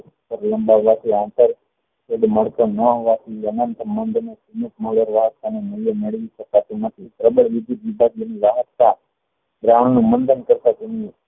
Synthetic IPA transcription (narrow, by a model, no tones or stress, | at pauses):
pəɾləmbaʋat̪ʰiãnt̪əɾ | keɖməɽk̪onəɦoʋat̪ʰiənənt̪mənd̪nesimət̪moləɾʋaɦət̪ːanenəjəmeɭʋiʃəkat̪ũnət̪ʰipɾəbəɭʋɪd̪it̪ʋibad̪eniʋaɦəa | bɾaɳ̃nũmənd̪ʱənkəɾt̪ad͡ʒunie